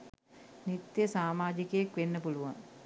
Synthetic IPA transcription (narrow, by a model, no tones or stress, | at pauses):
nit̪jəsaːmaːd͡ʒikəjakʋenːəpuluʋa̰ŋ